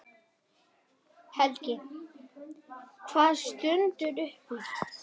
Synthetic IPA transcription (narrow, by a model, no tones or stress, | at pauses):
hɛlcɪ | kʰvaːð̥st̪ʏnt̪ʏɾʏhpʏ